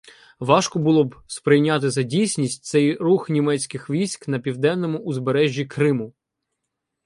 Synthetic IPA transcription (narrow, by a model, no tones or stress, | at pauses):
ʋɑʃkɔbʊlˠɔbspɾɪjnʲat̪̬ɪzɐdʲijsʲnʲisʲtʲt̪sɛjruxnʲimɛt͡sʲkɪxʋʲijsʲkn̪ɐpʲiwd̪ɛnːɔmʊʔːzbeɾɛʒʲːikɾɪmʊ